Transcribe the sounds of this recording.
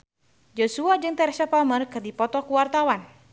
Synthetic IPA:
d͡ʒosuad͡ʒɨŋt̪ɛɾʃapamərkɨrdipɔt̪ɔkuwart̪awan

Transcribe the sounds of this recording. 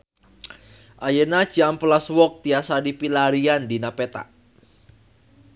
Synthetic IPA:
ʔajənḁd͡ʒamplaswɔk̚t̪iasadipilaɾiandinapet̪a̰ʔ

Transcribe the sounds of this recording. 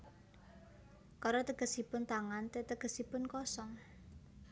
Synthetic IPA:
kaɾɔt̪əɡ̥ə̤sipʊnt̪aŋant̪et̪əɡ̥ə̤sipʊnkɔsɔŋ

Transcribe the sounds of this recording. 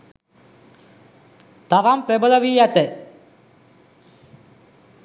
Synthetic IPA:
t̪aʋampɾebələʋiːjæt̪ə

